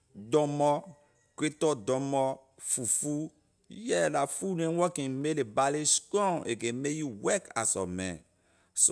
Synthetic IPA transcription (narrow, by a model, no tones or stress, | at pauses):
dɔ̃mɔ | kɾetɔdɔ̃mɔ | fufu | jɛlafunẽwɔkĩmelebaleskɔ̃nʔḛɡemejuwɛka̰sɔ̰mɛ̰̃ | s